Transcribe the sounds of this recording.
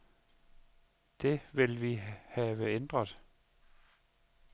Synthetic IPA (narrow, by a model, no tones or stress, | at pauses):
d̥e̝ʋe̝lʋihɛːʋəend̥ʁɐðˠ